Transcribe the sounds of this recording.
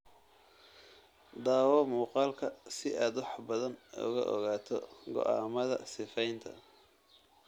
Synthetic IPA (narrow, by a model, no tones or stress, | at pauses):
d̪aːwɔmuːqɑːlkʰɐsɪʔaːd̪wɑħbɐðɐnʊ̰ɣɐ̰ʔɔ̰ɣaːt̪ʰɔɡɔ̰ʔaːmɐðɐ̰sɪfɛjnt̪ʰɐ̰